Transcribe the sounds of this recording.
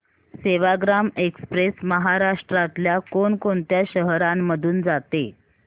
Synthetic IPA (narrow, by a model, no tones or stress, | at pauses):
seʋaɡɾamekspɾesməɦaɾaʂʈɾat̪ljakoɳkoɳt̪jaɕəɦɾamːəd̪ʱuːnd͡zat̪e